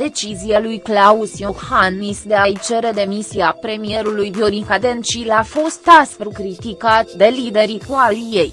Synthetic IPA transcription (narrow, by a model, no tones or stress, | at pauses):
d̪̥e̞t͡ʃizijalujklausjohanisd̪e̞ait͡ʃe̞ɾe̞d̪e̞misiapɾe̞mije̞ɾulujd̪ioɾiŋkad̪ent͡ʃilafo̞st̪asp̪ɾukɾit̪ikat̪d̪e̞lid̪e̞ɾikualije̞j